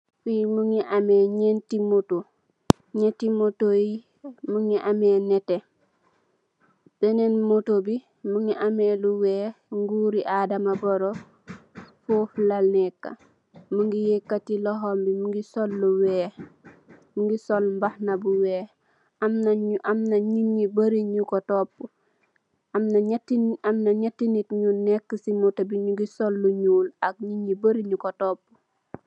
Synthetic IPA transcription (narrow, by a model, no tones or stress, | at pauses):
fimuŋiʔamɛɲentimoto | ɲetimotoji | muŋiʔamɛnɛte | b̥ɛnenmotobi | muŋiʔamɛluwɛːŋɡuːɾiʔadamabɔɾo | foflalnɛkːa̰ | muŋɡijekːatilɔɦombimuŋɡisolːuwɛː | muŋɡisolmbahnabuwɛː | amnʔamnaɲiɲːibɐɾiɲukotɔpːu | amnatiamnaɲatːinitɲunɛkːəsimutabiɲuɡisolːuɲuːlak̚ɲiɲːibɐɾiɲukotopːu